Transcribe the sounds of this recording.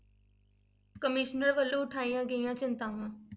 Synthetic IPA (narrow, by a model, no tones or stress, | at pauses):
kəmɪʃnəɾʋəlːõːʊʈʰaːijãːɡəijãːt͡ʃɪnt̪ãːʋãː